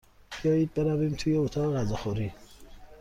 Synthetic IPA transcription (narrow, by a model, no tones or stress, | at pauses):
b̥ijɒːjiːd̪̚be̞ɾævimt̪ʰuːjeot̪ʰɒːɣeɣæzɒxoɾi